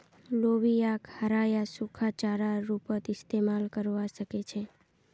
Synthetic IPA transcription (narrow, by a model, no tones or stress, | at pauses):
loʋiakhaɾajasukʰat͡ʃaɾaɾupət̪ɪst̪emalkəɾʋaʃəket͡ʃʰe